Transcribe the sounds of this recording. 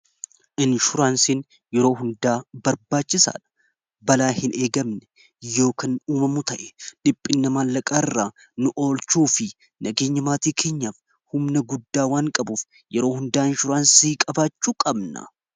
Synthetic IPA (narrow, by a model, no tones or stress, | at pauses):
ʔɪnʃʊɾaːnsin | jɛɾo̞ːhʊnd̪aːbɐɾbaːt͡ʃːɪsa̰ːᶑɐ̥ | bɐlaːhɪnʔe̞ːɡɐmnɛ̥ | jo̞ːkɐnuːmɐmʊt̪ɐʔɛ̥ᶑɪpʼːɪnːɐmaːlːɐkʼaːɪrːaː | nʊʔo̞ːlt͡ʃuːfɪ | nɐɡe̞ːɲːɐmaːt̪iːkʰe̞ːɲːaːf | hʊmnɐɡʊd̪ːaːwaːŋkʼɐbuːf | jɛɾo̞ːhʊnd̪aːɪnʃʊɾaːnsiːkʼɐbaːt͡ʃːuːkʼɐbnɐ̰